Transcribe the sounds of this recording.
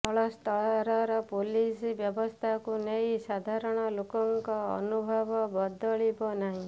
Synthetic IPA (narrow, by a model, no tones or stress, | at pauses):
ɔɭɔst̪ʰɔɾɔɾɔpolisbjɔbɔst̪ʰakunejsad̪ʱaɾɔɽ̃ɔlokɔŋkɔ̰ːnubʱɔbɔbɔd̪ʱɔɭibɔnaɦĩ